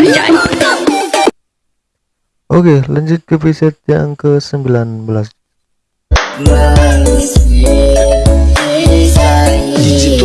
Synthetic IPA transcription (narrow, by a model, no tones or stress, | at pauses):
ʔokeləɲd͡ʒʊt̪̚kəpɾisɛt̪̚jaŋkəsəmbilanbəlas